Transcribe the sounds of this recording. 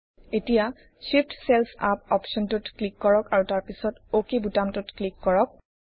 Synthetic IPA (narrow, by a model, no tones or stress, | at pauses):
etija | ʃip̚tselpʰa̰p̚ɔpʃɔntʊtklikːɔɹɔkaɹutaɹpisɔtokebutamtʊtklikːɔɹɔk̚